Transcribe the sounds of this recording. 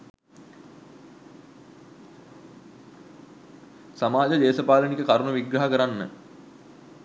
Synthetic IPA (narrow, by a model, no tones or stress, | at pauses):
samaːd͡ʒəd̪eːsəpaːlənikəkaɾunəʋiɡɾɐɦakəɾanːə̰